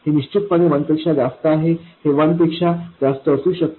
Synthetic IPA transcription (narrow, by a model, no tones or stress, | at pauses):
heniɕt͡ɕit̪̚pəneʋənp̪ekʂad͡zast̪əːɦeheʋənt̪ekʂad͡zast̪əːsuːɕək̚t̪